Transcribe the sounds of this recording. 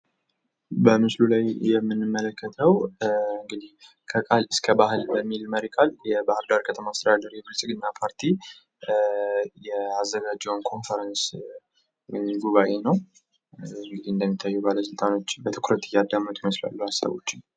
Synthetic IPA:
bəmɨslulajjɛmːɨnːɨmːələkːət̪ʰəwɨŋɡɨd̪ih | kʰəkʼalɨskʰəbahɨlbəmːilməɾikʼaljɛbahɨɾd̪aɾkʰət̪ʰəmaːst̪əd̪ad̪aɾibɨlsʼɨɡɨnːapʰaɾt̪ʰi | jɛazːəɡad͡ʒːɛwnkʰo̞nfəɾəns | wjmɡuβaʔe̞nəw | ɨŋɡɨd̪ihɨnd̪əmːit̪ʰːajːubaləs̬ɨlt̪ʼano̞t͡ʃːbət̪ʰɨ̥kʰɾət̪ɪjad̪ːamət̪jɛməsla̰lːuhasːa̰βo̞̰t͡ʃːɪn

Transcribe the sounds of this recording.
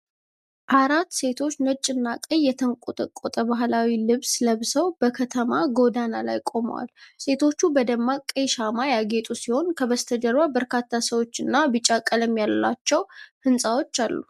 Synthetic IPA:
ʔaɾat̪ːse̞t̪ʰo̞t͡ʃːnət͡ʃʼːɪnːakʼəjːɛt̪ʰəŋkʼut̪ʼəkʼot̪ʼəbaɦlawilɨβsləβsəwbəkʰət̪ʰəmaɡo̞d̪anala̰jkʼo̞mə̰wa̰lse̞t̪ʰo̞t͡ʃːubəd̪əmːakʼəjʃamajaɡe̞t̪ʼusiho̞nkʰəβəst̪ʰəd̪əɾbabəɾkʰat̪ʰːasəwo̞t͡ʃːɨnːabɨt͡ʃʼːakʼələmjalːa̰t͡ʃːɛwhɨnsʼawo̞t͡ʃːalːṵ

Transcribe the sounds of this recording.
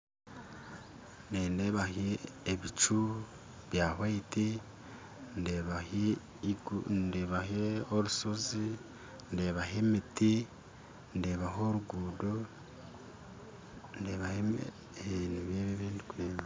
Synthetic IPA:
ndendeβaheːβit͡ʃu | βjaːhwaiti | ndeβah | iɡundeβaheoɾusozi | ndeβaɦemiti | ndeβaɦoɾuɡuːdo | ndeβahe | neβeβeβiːndikweːma

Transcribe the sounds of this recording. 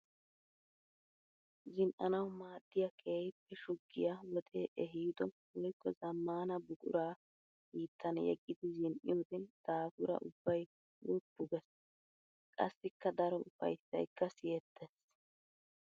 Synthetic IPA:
zɪnʔɐnɐwmaːd̪̥ːɪjɐkʰeːjpːɛʃʊɡːɪjawɔt̪ʼeːʔɛɦiːd̪ɔwɔjkːɔzɐmːaːnɐbʊkʼʊ̰ɾaː | hiːt̪ːɐnjɛ̰ɡʼːɪd̪ɪzɪnʔɪ̰joːd̪ɛd̪̥aːkʊɾɐ̰ʔʊbːɐj | lʊpːʊɡɛs | kʼɐ̰sːɪkːɐd̪ɐɾɔʊfɐ̰jsːɐ̰jkːɐsɪjɛt̪ʰːɛs

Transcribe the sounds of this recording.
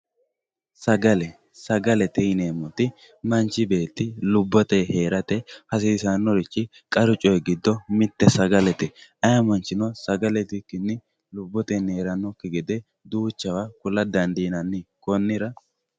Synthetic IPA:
sɐɡɐlɛ | sɐɡɐlɛt̪ɛneːmːɔt̪ɪ | mɐnt͡ʃːɪbe̞ːt̪ːɪlʊbːɔt̪ɛhe̞ːɾɐt̪ɛhɐs̬iːsɐnːɔɾɪt͡ʃːɪ | kʼɐɾʊt͡ʃʼɔjɛɡɪd̪ːɔmɪt̪ːɛsɐɡɐlɛt̪ɛɐjɐmɐnt͡ʃːɪnɔsɐɡɐlɛt̪ɪkːɪnːɪ | lʊbːɔt̪ɛneːɾɐnːɔkːɪɡɛd̪ɛ | d̪uːt͡ʃːɐwakʊlːɐd̪ɐnd̪iːnɐnːɪkʼɔnːɪɾɐ

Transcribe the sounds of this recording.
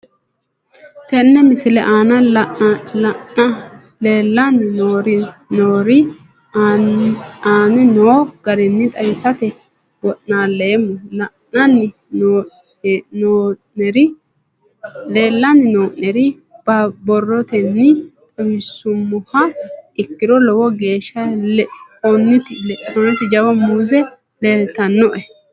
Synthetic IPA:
t̪ɛnːɛmɪsɪlɛʔaːnɐ | ɐɐ | leːlːɐnːɪnoːɾɪnoːɾɪ | aːnɪnoːɡ̥ɐɾɪnːɪt̪ʼɐjɪsɐt̪ɛ | wɔʔnaːleːmːɔlɐ | ɐnːɪ | noː | ɛɾɪ | leːlːɐnɪnoːʔɛɾɪ | bɐbɔrːɔt̪ɛnːɪt̪ʼɐwɪsːʊmːʊhɐɪkːɪd̪ɔlɔwɔɡeːʃːɐlɛɔnːɪt̪ɪɔnːɪt̪ɪd͡ʒɐwɐmuːzɛ | leːlt̪ɐnːɔʔɛ

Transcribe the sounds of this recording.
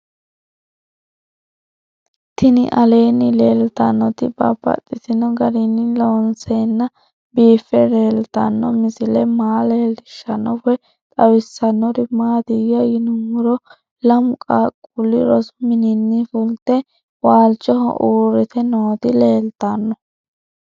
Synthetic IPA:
t̪ɪnɪ̰ʔɐle̞ːnːɪle̞ːlt̪ɐnːɔt̪ɪbɐ̰bɐ̰t̪ʼːɪsɪnɔɡɐɾɪnːɪloːnseːnːɐ | biːfːɛɾeːlt̪ɐnːɔmɪsɪlɛmaːleːlɪʃːɐnːɔwɛ | t̪ʼɐwɪsːɐnːɔɾɪmaːd̪ɪjɔjɪnʊŋʊɾɔ | lɐmʊkʼakʼʊlːɪɾɔsmɪnɪnːɪfʊlt̪ɛ | waːlt͡ʃʼːɔhɔ̰ʔuːɾɪt̪ɛnoːt̪ɪle̞ːlt̪ɐnːɔ

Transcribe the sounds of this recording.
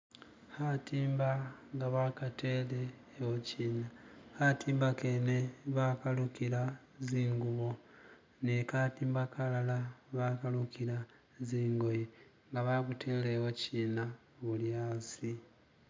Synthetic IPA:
hatiːmbaŋɡaβakate̞leː | wociːnahatiːmbakeneβakalukiɾa | ziːŋɡuβo̞ | nekatiːmbakʰalalaβakalukiɾa | ziːŋɡo̞je | ŋɡaβakutʰe̞leːwociːna | βuljasi

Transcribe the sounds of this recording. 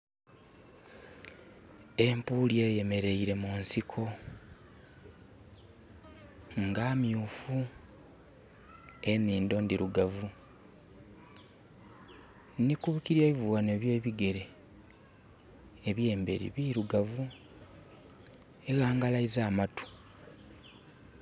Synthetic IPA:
e̞mpuːlje̞ːje̞me̞ɾe̞iɾe̞munsikʰo̞ | ŋɡaːmjuːfu | e̞niːndo̞ndiɾuɡavu | nikuβikiɾjeːβivuwane̞βjeːβiɡe̞ɾe̞ | eβje̞ːmbe̞ɾḭβiɾuɡavu | eɣaːŋɡalaizaːmatu̥

